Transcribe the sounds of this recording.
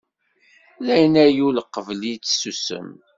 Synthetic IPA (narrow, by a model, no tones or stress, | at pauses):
læjənæjuləqːəvlit͡sːsusə̰m